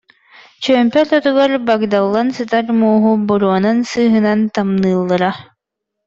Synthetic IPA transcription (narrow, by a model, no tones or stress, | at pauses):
t͡ɕœːmpɛɾɔt̪uɡaɾbaɡd̪alˠːansɯt̪aɾmuːɦubɔɾuɔnansɯːɦɯnant̪amnɯːlˠːɯɾa